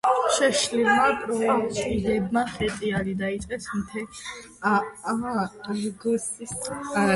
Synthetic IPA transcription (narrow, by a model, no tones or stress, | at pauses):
ʃɛʃlilmapʼɾɔasʼiʁɛbmaχɛt̪ʼiaɾid̪ait̪sʼqʼɛsmt̪ʰɛ | aaɾɡɔsis